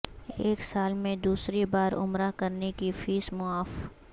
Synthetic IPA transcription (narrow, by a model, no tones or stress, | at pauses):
eːksaːlmẽd̪uːsɾebaːɾʊ̰mɾakɐɾnekifiːsmʊaːf